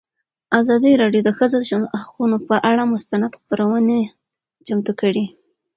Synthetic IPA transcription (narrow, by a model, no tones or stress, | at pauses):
azɑd̪iɾɑɖjod̪əxəzod̪əʃaaqunopəʔaɽamʊst̪anad̪xpəɾawəne | t͡ʃamt̪ukəɽi